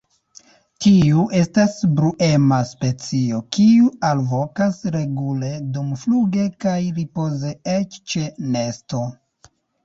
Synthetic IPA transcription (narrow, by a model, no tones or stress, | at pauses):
tiuʔe̞stasbɾuʔe̞maspe̞t͡sio̞kiualvo̞kasɾe̞ɡule̞dumfluɡe̞kajɾipo̞ze̞et͡ʃt͡ʃe̞ne̞sto̞